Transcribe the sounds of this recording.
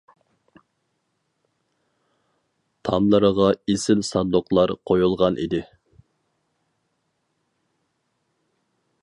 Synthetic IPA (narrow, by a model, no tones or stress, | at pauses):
t̪ʰɑmlˠəɾəʁɑesɪlsɑnd̪oqlˠɑɾqʰojulˠʁɑnʔḭd̪ɪ